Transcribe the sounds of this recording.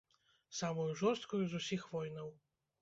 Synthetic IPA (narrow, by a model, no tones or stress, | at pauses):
samujuʐɔɾst̪̚kujuzusʲixvɔjnɐw